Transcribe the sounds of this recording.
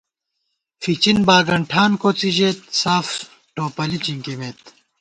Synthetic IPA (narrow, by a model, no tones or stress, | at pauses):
fit͡ɕinbaːɡɐɳʈʰaːnkot͡sid͡ʑeːt̪̚saːf | ʈoːpɐlit͡ɕiŋkimet̪